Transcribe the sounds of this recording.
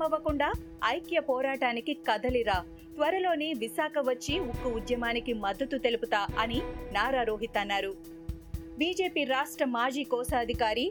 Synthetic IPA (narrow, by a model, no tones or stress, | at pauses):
ɐʋɐkuɳɖaː | ɐjkjɐpɔːɾaːʈaːnikikɐd̪ɐliɾaː | t̪ʋɐɾɐlo̞ːniʋisaːkʰɐʋɐt͡ʃːiukːuud̪jɐmaːnikimɐd̪ːɐt̪ut̪e̞luput̪aːɐninaːɾaːɾoːɦit̪ɐnːaːɾu | biːd͡ʒeːpiːɾaːʂʈɾɐmaːd͡ʒiːkɔːsaɐd̪ʱikaːɾi